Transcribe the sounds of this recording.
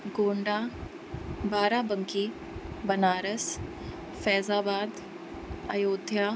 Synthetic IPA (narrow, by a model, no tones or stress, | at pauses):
ɡoːɳɖaː | baːɾaːbəŋkiː | bɐnaːɾəs | fɛːzaːbaːd̪ | ɐjoːd̪ʱjaː